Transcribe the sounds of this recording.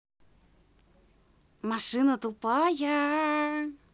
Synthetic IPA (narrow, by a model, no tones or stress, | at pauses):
maʂɨnət̪upaja